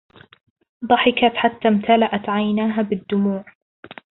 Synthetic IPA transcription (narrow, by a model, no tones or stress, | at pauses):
d̪ˤɑħɪkat̪ħat̪ːaːmt̪alaʔat̪ʕajnaːɦaːbɪd̪ːʊmuːʕ